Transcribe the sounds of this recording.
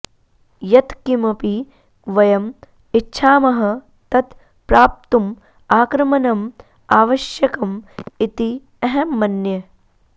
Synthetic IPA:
jɐt̪kimɐpi | ʋɐjɐm | itːʃʰaːmɐɦɐ̆ | t̪ɐt̪ | pɾaːp̚t̪um | aːkɾɐmɐnɐm | aːʋɐʃjɐkɐmit̪i | ɐɦɐmːɐnjɐ

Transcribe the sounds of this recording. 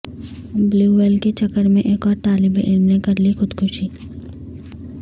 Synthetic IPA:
bluːʋeːlket͡ʃɐkːəɾmẽʔeːkɔːɾt̪aːlɪbeʔɪlmnẽkɐɾlixʊd̪kʰʊʃiː

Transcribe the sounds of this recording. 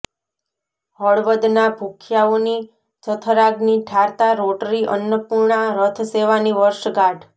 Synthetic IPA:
ɦɔɭʋəd̪nabʱukʰjaoni | t͡ʃət̪ʰəɾaɡniʈʰaɾt̪aɾoʈɾiʔə̰njəpuɾɳaɾət̪ʰseʋaniʋəɾʃɡaɖ

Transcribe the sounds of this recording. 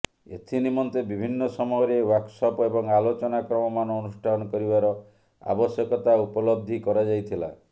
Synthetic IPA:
ḛt̪ʰinimɔnt̪ebibʱinːɔsɔmɔjɔɾewaksɔpɔebɔŋalot͡ʃɔnakɾɔmɔmanɔːnusʈʰanɔkɔɾibaɾɔ | a̰bɔsjɔkɔt̪aupɔlɔb̚d̪ʱikɔɾad͡ʒajt̪ʰila̰

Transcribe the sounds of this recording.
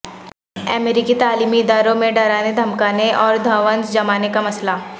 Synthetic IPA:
ɛ̰meːɾikit̪aːliːmiɪd̪aːɾõmẽɖaːɾaːned̪ʱɐmkaːneʔɔːɾd̪ʱɐʋə̃nd͡ʒd͡ʒɐmaːnekamɐsla

